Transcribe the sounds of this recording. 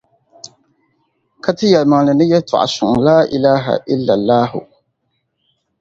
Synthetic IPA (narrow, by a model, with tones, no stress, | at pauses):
ka˦tɨ˦jɛ˨lma˨ŋlɨ˨nɨ˦jɛ˦tʊ̰˨ʔa̰˨sʊ̰˨ŋ˨laː˦ʔɪ˨laː˦ɦa̰˨ʔɪ˦lːa˨lːaː˦hʊ̰˨